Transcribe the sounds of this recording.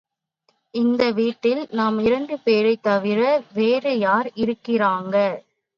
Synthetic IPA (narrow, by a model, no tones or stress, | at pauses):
ɪnd̪ɐʋiːʈːɪlnaːmɪɾɐɳɖɯpeːɾɐɪt̪ːɐʋɪɾɐʋeːɾɯjaːɾɪɾɯkːɪraːŋɡɐ